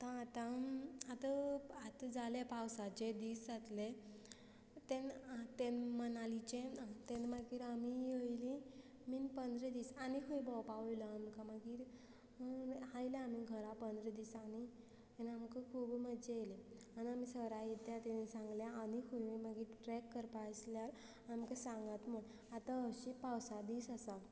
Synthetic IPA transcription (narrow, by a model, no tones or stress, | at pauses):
t̪ãːt̪ãat̪əat̪əd͡zalepawsad͡ʑed̪iːsd͡zat̪le | t̪ent̪enmənalit͡ɕẽt̪enmaɡiːɾamijəjlĩ | minpənd̪ɾed̪iːsanikʰəjbɔwpaʋəjləamkamaɡiːɾ | hajlaamiɡʱəɾapənd̪ɾed̪iːsani | enamkəkʰuːbməd͡ʑeeleaniamisəɾajet̪jat̪enisãŋɡljaːnikʰəjmaɡiːɾʈɾɛkːəɾpasljal | aamkesãŋɡat̪m̤əɳ | at̪aəɕipawsad̪iːsasa